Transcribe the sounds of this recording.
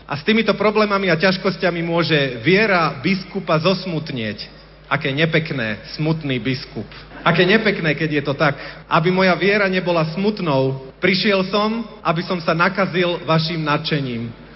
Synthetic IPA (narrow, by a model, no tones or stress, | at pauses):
ʔast̪iːmit̪ɔpɾɔblɛːmamiacaʃkɔscamimʊɔʒɛʋɪɛɾabiskupazɔsmut̪ɲɪɛc | ʔakɛːɲɛpɛknɛːsmut̪niːbiskup | ʔakɛːɲɛpɛknɛːkɛɟjɛt̪ɔt̪akʔabimɔjaʋɪɛɾaɲɛbɔlasmut̪nɔʊpɾiʃɪɛlsɔmʔabisɔmsanakazilʋaʃimnat͡ʃɛɲiːm